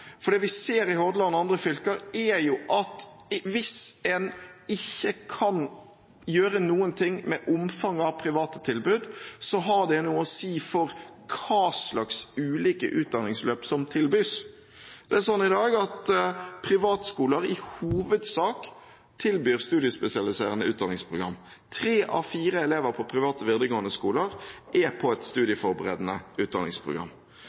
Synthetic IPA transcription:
fɔɖ̪ɛːʋɪseːɾɪɦɔɾd̪əlɑnːəɑnd̪ɾəfʏlkəɾɛɾjʊʔɑt̪ | ʋɪsɛnɪçːəkʰɑn | jøːɾənuːənt̪ʰɪŋːmɛʔʊmfɑŋːɑʋpʰɾɪʋɑːt̪ə̥t̪ʰɪlbʉːd̪sɔɦɑɖ̪ɛnuːəɔsiːfɔɾkʰɑːslɑksʉːliːkə̰ʔʉːt̪̚d̪ɑnɪŋsløːpsɔmt̪ʰɪlbyːs | d̪̥ɛæɾsɔnːɪd̪ɑːɡɑt̪pʰʁɪʋɑːt̪skuːləɾɪhuːʋəd̪sɑːk | t̪ʰɪlbyːʁst̪ʉːd̪ɪəspɛsɪɑlɪseːʁənəʉːt̪̚d̪ɑnɪ̃ŋspʰʁʊɡɾɑ̰mː | t̪ʰɾeːʔɑ̰ʋfiːɾəɛleːʋəɾpʰɔpʰɾɪʋɑːt̪əʋɪʁd̪əɡoːnəskuːləɾʔɛpʰɔɛt̪st̪ʉːd̪ɪəfɔɾbəʁḛːd̪ənəʉːt̪d̪ɑ̰nɪ̰ŋspʰʁʊ̰ɡɾɑ̰m

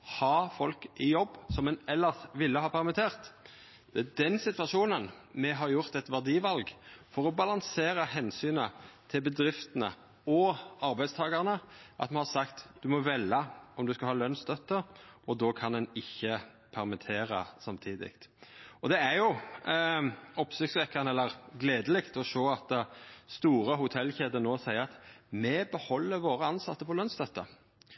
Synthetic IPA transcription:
hɑfɔlkɪjɔbːsɔmɛnɛlːəsʋɪlːəhɑːpʰæʁmɪt̪ʰeːʁt̪ | d̪̥ɛæd̪ɛnsɪt̪ʋɑʂuːnən | mɛɦɑɾjʊʁt̪ɛt̪ʋæʁd̪iːʋɑlɡfɔɾɔbɑlɑŋseːɾəhɛnsyːnət̪ʰɪlbəd̪ɾɪft̪ənə̰ | ɔɑɾbæɪd̪st̪ʰɑːɡɑʁnəʔɑ̰t̪mɛnhɑsɑkt̪d̪̥ʉmɔʋɛlɑɔmd̪ʉskɑhɑːlœnst̪œt̪ːəɾɔd̪oːkʰɑnd̪ɛnɪçːə | pʰɛʁmɪt̪ʰeːɾɑsɑmt̪ʰiːd̪ɪ̰kt̪ɔd̪ɛæɾjʊ | ɔpsɪksʋɛkːɑnəɛlːəɾʁɡleːd̪əlɪkt̪ɔʂoːɑt̪ːst̪uːɾəɦʊt̪ʰɛlːçeːd̪ənoːsæɪəɾɑt̪mɛbəhɔlːəɾʋoːɾəɑnsɑt̪ːəpʰɔlœnst̪œt̪ːə

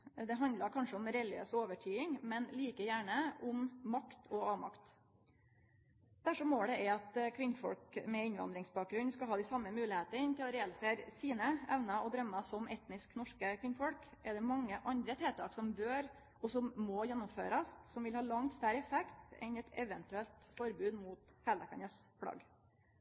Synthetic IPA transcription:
d̪ɛɦɑnd̪lɑɾkʰɑnʂəʊmɾɛlɪø̰ːsɔoːʋəʈʰyːɪŋmɛnliːkəjæːɳəʔʊmːɑkt̪ʰɔɑːʋmɑ̰kt̪ | d̪̥æʂɔmːoːɖ̪ɛɛɑt̪kʰʋɪnːfɔ̰lkmɛɪɲʋɑ̰nd̪ɾɪŋsbɑːk̚ɡɾʉnːskɑɦɑːd̪ɪsɑmːəmʉːlɪheːt̪əɾɪnt̪ʰɪlɔɾɛːɑlɪseːɾsiːnəʔɛʋnɑɔd̪ɾœmːɑsɔmɛt̪nɪsknɔʂkəkʰʋɪnːfɔlkʔɛɾd̪ɛmɑŋːəʔɑnd̪ɾət̪ʰeːt̪ʰɑ̰ːksɔmbøːɾ | ɔsɔmːɔjɛnːʊmføːɾɑssɔmʋɪlhɑːlɑŋt̪st̪œɾəɛfɛkt̪ɛ̰nɛt̪ɛʋɛnt̪ʉɛlt̪fɔɾbʉːd̪muːt̪hɛləkʰɑnəspʰɽɑ̰ɡ

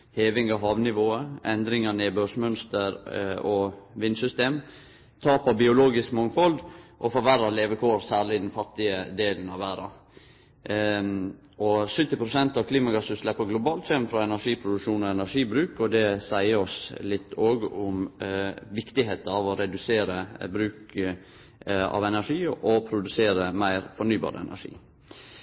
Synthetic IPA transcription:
heːʋɪŋɑɦɑːʋnɪʋoːəɛnd̪ɾɪŋɑneːbøʂmœnst̪əɾɔʋɪnsʏst̪eːm | t̪ʰɑːpɑbɪʊloːɡɪskmɔŋfɔld̪ʔɔfɔɾʋæɾɑleːʋəkʰoːɾsæːɾɭɪd̪ɛnfɑt̪ːɪəd̪eːlnɑʋʋæːɾɑ̰ | ɔsʏt̪ːɪpʰɾʊsɛnt̪ɑʋkʰliːmɑɡɑsʉslɛpːəɡlʊbɑːlt̪ʃɛnfɾɑɛnæʂiːpʰɾʊd̪ʉkʂuːnɔɛnæʂiːbɾʉːkɔd̪ɛsæɪəɾɔslɪt̪ʰːoːɡʊm | ʋɪkt̪ɪɦeːt̪əɑʋɔɾɛd̪ʉseːɾəbɾʉːk | ɑ̰ʋɛnæʂiːʔɔpʰɾʊd̪ʉseːɾəmæɪɾfɔnyːbɑ̰ːɾəɛ̰nʔæ̰ʂḭː

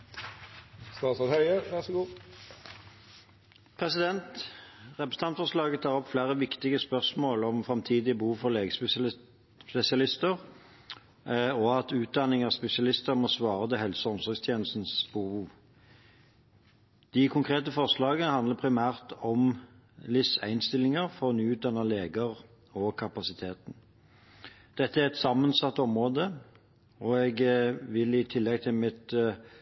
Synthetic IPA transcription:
st̪ɑːsɑt̪hœʏəʋæʁsɔɡuː | pʰʁɛsɪd̪ɛnt̪ʁɛpɾəsn̩ɑnfɔʁʂlɑːɡət̪ʰɑːʁɔpflæːʁəʋɪkt̪ɪɡəspœʁsmoːlɔmfʁɑmt̪ʰiːd̪ɪbəhuːʋfɔʁleːɡəs | spɛsɪɑlɪst̪əʁ | ɔɑt̪ʉːt̪̚d̪ɑnːɪŋɑːspɛsɪɑlɪst̪əɾmoːsʋɑːʁət̪ɪɦɛlsəɔmsɔʁɡst̪ʰjeːnl̩st̪n̩sbuːuː | d̪̥ɪkʰʊŋkʰʁeːt̪əfɔʁslɑːɡəhɑnd̪ləpʰɾɪmæːʁt̪ɔm | lɪsæ̰ɪnst̪ɪlːɪŋəʁfɔʁnyːʉːt̪̚d̪ɑnːəleːɡəʁ | ɔkʰɑpɑsɪt̪ʰeːt̪n̩ | d̪̥ɛt̪ːəæʁɛt̪sɑmːənsɑt̪ːɔmʁoːd̪ə | ɔɛɡʋɪlɪt̪ʰɪlːɛɡ̚t̪ʰɪlmɪt̪

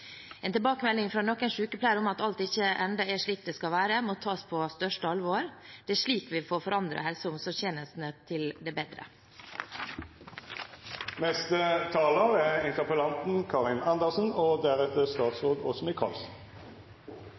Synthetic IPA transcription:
eːnt̪ɪbɑːkəmɛlːɪŋfɾɑːnɔkːɛnʂʉːkəpʰlæːɾʊmɑt̪ɑlt̪ɪçːəʔɛnd̪ɑɛʂɭiːk̚d̪ɛːskɑʋæːɾəmoːt̪ʰɑːspʰost̪œʂʈəɑlʋoːɾd̪̥ɛæʂɭiːkʋɪfoːɾfɔɾɑnd̪ɾə̰hɛlsəʊmsɔçeːnəst̪n̩ət̪ʰɪld̪ɛbeːd̪ɾə̰ | nɛst̪ət̪ʰɑːləʁæʁɪnt̪əʁpəlɑnt̪n̩kʰɑʁɪnɑnd̪əʁsn̩oːd̪æʁɛt̪əst̪ɑːt̪sʁoːd̪ɔsɔmɪkʰɑ̰ːls

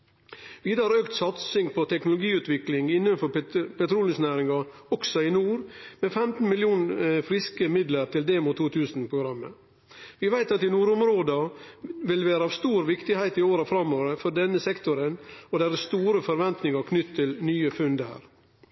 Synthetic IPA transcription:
ʋiːd̪ɑːɾøːkt̪sɑt̪sɪŋpʰɔt̪ʰɛknʊlʊɡiːʉːt̪ʋɪklɪŋɪnːənfɔɾpɛt̪ʰɾuːlɪŋsnæːɾɪŋɑɾɔksɔɪnuːɾmeːfɛmt̪n̩mɪljuːnfɾɪskəmɪd̪ləɾt̪ʰɪld̪eːmʊt̪ʰːuːt̪ʰʉːsn̩pɾʊɡɾɑmːə̰ | ʋɪʋæɪt̪ɑt̪ɪnuːɾʊmɾoːd̪ɑʋɪlʋæːɾəɑːʋst̪uːɾʋɪkt̪ɪhæɪt̪ɪoːɾəfɾɑmːoːʋəɾəfɔɖɛnːəsɛkt̪ʊɾənɔd̪æɾəst̪uːɾəfɔɾʋɛnt̪nɪŋɑɾkʰnʏt̪t̪ʰːɪlnyːəfʉnd̪æ̰ːɾ

